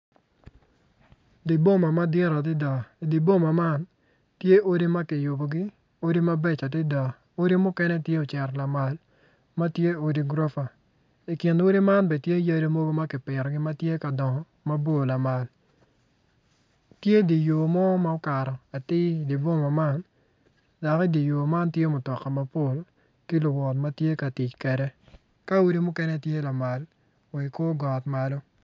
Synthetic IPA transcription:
di˨bo˦ma˨ma˦dɪ˦ɾa˨dɪ˦da˨i˨di˨bo˦ma˨ma˦˨n | tje˦ʔo˦di˦ma˦kɪ˨jʊ˨bo˨ɡɪ˦ | o˦di˦ma˦bɛ˦t͡ʃa˨tɪ˦da˨ | o˦di˦mʊ˦kɛ˦nɛ˦tje˦o˨t͡ʃɛ˨ɾla˨ma˨l | ma˦tje˦o˦di˦ɡɾo˦fa˨ | ɪ˨kɪ˨no˦di˦ma˦nbɛ˨tje˦ja˦ɾe˦mo˦ɡo˦ma˦kɪ˨pɪ˨ɾɔ˨ɡɪ˦ma˦tje˦ka˨dɔ˨ŋɔ˨ | ma˦bo˦˨la˨ma˨l | tje˦di˨jo˨mɔ˦ma˦ʊ˦ka˨ɾɔ˨a˨tɪ˦di˨bo˦ma˨ma˦˨n | da˨kɛ˦di˨jo˨ma˦ntje˦mʊ˨tɔ˨kːa˨ma˦po˦˨l | kɪ˦lʊ˨wɔ˨tma˦tje˦ka˨tɪ˨t͡ʃkɛ˨ɾɛ˦ | ka˦o˦di˦mʊ˦kɛ˦nɛ˦˨tje˦la˨ma˨l | wɛ˨ko˦ɡɔ˨tma˨lɔ˦

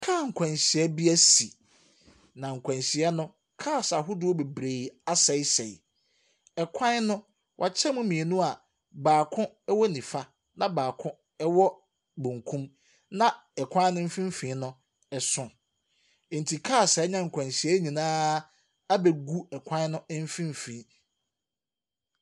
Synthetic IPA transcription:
kʰaː˦˨ŋ̩˨kʷʰã˨nɕi˨ɛ˦bi˦æ˦si˨ | nã˨ŋ̩˨kʷʰã˨nɕi˨ɛ˦nʊ̃˦ | kʰaː˦˨sa˨ɦʊ˦dʊ˦ɔ˦be˨bɾe˨a˦sɛ˨˦sɛ˨j | ɛ˨kʷʰã˦nnʊ̃˦ | wʔa̰˨t͡ɕʰɛ˦mʊ̃˦mĩ˨e˨nʊ̃˦a˨ | baː˨kʰʊ̃˦ | ɛ˦wɔ˦nĩ˨fa˦ | nã˨baː˨kʰʊ̃˦ | ɛ˦wɔ˦ | bũ˨ŋkʰũ˦m | nã˦ | ɛ˨kʰã˦nʊ̃˦m̩˦fĩ˦m̩˦fĩ˨˦nʊ̃˦ | ɛ˨sʊ̃˦˨ | n̩˨tʰi˨kʰaː˦˨sa˨˦ɲã˦ŋ̩˨kʰʷã˨nɕi˨ɛ˦ɲĩ˨nãː˦ | a˦bɛ˨ɡu˦ɛ˨kʷʰã˦n˦nʊ̃˦m̩˦fĩ˦m˦fĩ˨˦

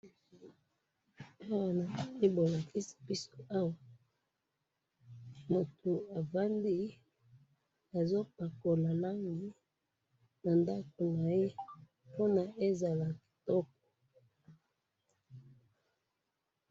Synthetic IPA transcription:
a˦wa˨na˨pi˦bo˨la˨ki˦si̥˨pi˦so˨a˦wa˨ | mo˨tʰu˨a˨va˦ndi˦ | a˨zo˦p̚a˨ko˨la˨la˦ŋɡi˦ | na˨nda˦ko˨na˨je˦ | po˦na˨ʔe˦za˨la˨ki̥˨tɔ˦k̚ɔ̥˨

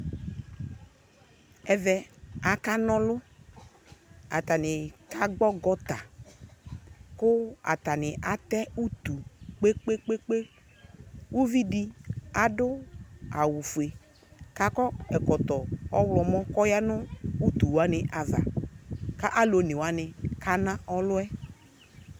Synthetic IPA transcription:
ɛ˨vɛ˨a˨ka˦nɔ̃˦lʊ˦ | a̰˨t̪a˨nɪ˨ka˦ɡ͡bɔ˦ɡɔ˦t̪a˨ | kʊ˦a̰˨t̪a˨nɪ˨ʔa˨t̪ɛ˦u˦t̪u˨k͡pe˦k͡pe˦k͡pe˦k͡pe˦ | u˦vi˦di˦a˨dʊ˦a˨wu˨fu˨e˨ | ka˦kɔ˦ɛ˨kɔ˨t̪ɔ˨ɔ˦wlɔ˨mɔ̃˦kɔ˦ja˦nʊ˦u˦t̪u˨wa˦nɪ˨ʔa˨va̰˨ka˦ʔa˦lo˨nɪ˨wa˦nɪ˨ka˦nã˦ʔɔ˦lʊ˦ɛ˦

